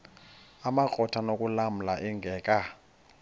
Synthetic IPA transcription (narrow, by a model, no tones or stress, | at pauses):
amakʼɔtʰanokʼulam̩laʔɛŋɡʱɛːkʼa